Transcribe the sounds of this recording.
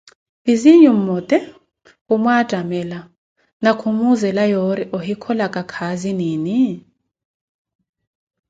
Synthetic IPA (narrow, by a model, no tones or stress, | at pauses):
iziɲum̩mɔtʼɛ | umwad̥ʼʱamɛla | nakʰumuzɛlajɔɾiʔɔɦikʰɔlakʼakʰaziniːni